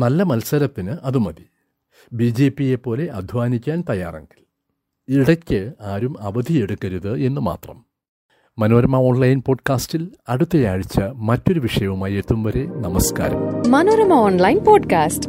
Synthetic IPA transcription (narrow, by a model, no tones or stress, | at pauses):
nɐlːɐmɐlsɐɾɐt̪ːinɨʔɐðumɐði | biːd͡ʑe̞ːpije̞pːo̞ːle̞ʔɐd̪ʱʋaːnikʲːaːnt̪ɐja̰ːrḛŋɡil | iɽɐkʲːɨaːɾumɐʋɐd̪ʱie̞ɽukːɐɾuðɨe̞nːɨma̰ːt̪rɐmː | ɐnoːɾɐmɐo̞ːɳlɐjnpo̞ːɖkaːstilɐɽut̪ːɐjaːɻit͡ɕːɐmɐtːo̞ɾuʋiʂɐjɐʋumaːje̞t̪ːumʋɐɾe̞nɐmɐska̰ːɾɐ̰mmɐnoːɾɐmɐoːnlɐjnpoːɖkaːsʈ